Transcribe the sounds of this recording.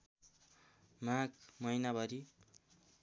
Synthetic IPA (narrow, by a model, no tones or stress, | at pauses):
makmʌjnabʌɾi